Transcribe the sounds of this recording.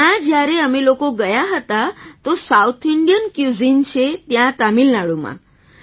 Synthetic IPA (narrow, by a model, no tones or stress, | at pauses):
ãd͡ʑjaɾeəmilokoɡəjaɦət̪at̪osaut̪ʰiɳɖijənkjud͡zint͡ɕet̪jãt̪amiːlnaɭuma̰